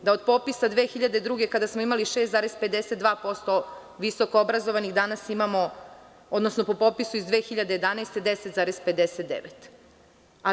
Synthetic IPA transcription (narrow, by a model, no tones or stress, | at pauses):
d̪aod̪po̞pisad̪ʋeːxiʎad̪e̞d̪ɾuːɡe̞kad̪asmoimaliʃest̪zaːɾesped̪eset̪d̪ʋaːpo̞st̪o̞ | ʋiso̞koobɾazoʋaniɣd̪anasimamo̞ | od̪no̞sno̞po̞po̞pisuizd̪ʋeːxiʎad̪eje̞d̪anaːst̪e̞d̪eset̪zaːɾezpe̞d̪eset̪d̪ḛʋet̪ | a